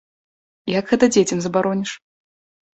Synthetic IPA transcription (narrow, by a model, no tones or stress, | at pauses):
jakɣɛt̪ɐd͡zʲet͡sʲɐmzɐbaɾɔnʲiʂ